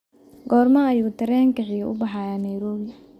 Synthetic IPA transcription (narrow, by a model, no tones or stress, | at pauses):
ɡɔːrmɐːjuːt̪ʰɐɾɛːŋkɐħiɣɐʔʊ̰bɑħɑːjaːnɐjɾɔːβɪ